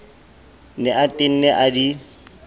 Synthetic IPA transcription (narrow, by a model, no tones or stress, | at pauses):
nɛatʼɪn̩neʔadi